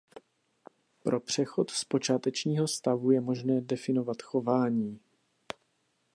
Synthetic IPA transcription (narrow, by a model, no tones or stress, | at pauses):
pɾʔo̞pr̝̥ɛxo̞t̪spo̞t͡ʃaːt̪ɛt͡ʃɲiːɦo̞st̪avujɛmo̞ʒnɛːdɛfɪno̞vat̪xo̞vaːɲiː